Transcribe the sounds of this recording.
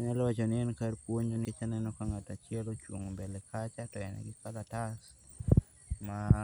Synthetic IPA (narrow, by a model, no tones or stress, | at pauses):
anɛlɔwat͡ʃɔnɪɛnkaɾpwoɲd͡ʒonket͡ʃanɛnɔkaŋatat͡ʃɪɛlot͡ʃwoŋombɛlɛkʰat͡ʃatɔjɛnɛ̰ɡɪkalatas | ma